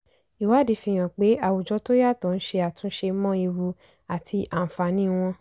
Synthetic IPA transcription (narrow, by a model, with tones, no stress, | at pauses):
i˨wa˨˦di˧˦fĩ˧j̃ã˨k͡pe˨˦a˨wu˨d͡ʒɔ˧to˦ja˦˨tɔ̃˨˧n̩˦ʃe˧a˨tũ˨˦ʃe˧˦mɔ̃˦i˧wu˧ | a˨tʰi˧ʔa˨fa˨nĩ˨˦w̃ɔ̃˧